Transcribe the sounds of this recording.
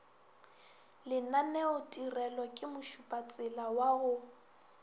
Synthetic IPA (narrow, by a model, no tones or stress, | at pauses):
lɪnanɛʊtʼirɛlɔkʼɪmʊʃupʼat͡sʼɪlawaɣʊ